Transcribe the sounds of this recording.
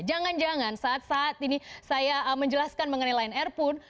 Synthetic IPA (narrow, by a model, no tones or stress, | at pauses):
d͡ʒaŋand͡ʒaŋansaːt̪̚saːt̪inisajaəməɲd͡ʒəlaskanməŋənajlainɛrpʊn